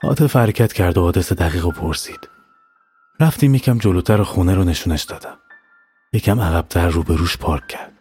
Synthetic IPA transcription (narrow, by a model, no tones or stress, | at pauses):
hɒ̰ːd̪efhæɾecʲʰæt̪cʰæɾd̪oːd̪esed̪æɣiːɣopʰoɾsi̥ːd̪̥ | ɾæft̪iːmjecʰæmd͡ʒolot̪ʰæɾɒxuneɾone̞ʃuːneʃd̪ɒːd̪̥æm | jecʰæmæɣæb̥̚t̪ʰæɾːuːbe̞ɾuːʃpʰɒːɾcʰʲcʰːæɾd̪̥